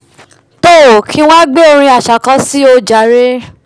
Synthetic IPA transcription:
to˦˨kʰĩ˧˦w̃ã˦ɡ͡be˦o˧ɾ̃ĩ˧a˨ʃa˨kã˨˧˦si˦o˧d͡ʒa˨˦ɾe˦

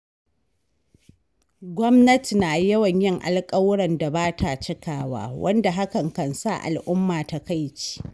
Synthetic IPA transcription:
ɡʷɔ˦mnɐ˦ti˨naː˨jɐ˦wɐ˨ɲjɪ˦ŋʔa̰˨lkʼɐ˦wɽɐ˨nda˨baː˦tʰa˨t͡ʃɪ˦kaː˨wa̰ː˦wʔɐ̰˦nda˨ɦa˦kɐ˨ŋkɐ˨nsa̰˦˨ʔa̰˨lʔʊ˦mːaː˨ta˨ka˦jt͡ʃi̥ː˦ʔ

